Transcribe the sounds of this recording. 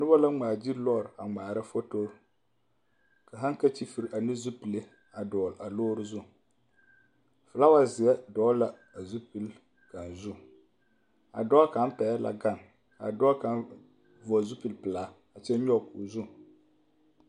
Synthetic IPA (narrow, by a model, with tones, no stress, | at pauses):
nʊ˦ba˦la˦ŋ͡maː˨d͡ʒi˦ɾlɔ˦˨ɾa˨ŋ͡maː˨ɾɨ˦fo˦to˦ɾ | ka˨ɦa˦ŋ˦ka˦t͡ʃi˦fi˦ɾa˨nɨ˦zu˦pi˨le˦ | a˨dɔː˨la˨loː˦ɾɨ˦zʊ˦ | fɨ˨la˦wa˦zɪ˨jɛ˦dɔː˨˦la˦ | a˨zu˦pi˦l | ka˨nzʊ˦˨ | a̰˨dɔ˦ka˨˦m˦pɛ˨ja˦la̰˨ɡa˦˨n | ka̰˨dɔː˦ka˨n | vɔ˨zu˦pi˨lpɨ˨laː˨˦ | a˨t͡ʃɛ˦ɲɔ˦˨kːzʊ˦˨